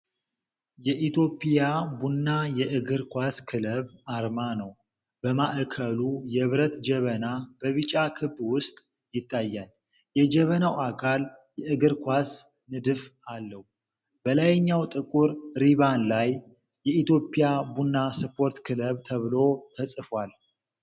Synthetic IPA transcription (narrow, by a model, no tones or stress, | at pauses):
jɛʔit̪ʰjo̞pʼjabunːajɛʔɨɡɨɾkʷaskʰɨləβaɾmanəw | bəmaʔkʰəlujɛβɾət̪d͡ʒɛβənab̥əβɨt͡ʃʼakʰɨbːwʊst̪ʼ | jɪt̪ʰːajːal | jɛd͡ʒɛβənawakʰaljɛʔɨɡɨɾkʷas | nɨd̪ɨfalːəhu | b̥əlajɲːawt̪ʼɨkʼuɾɾiβanlajː | ɛʔit̪jo̞pʼijabunːasɨpʰo̞ɾt̪kʰɨləβt̪ʰəβɨlo̞t̪ʰəsʼɨfwal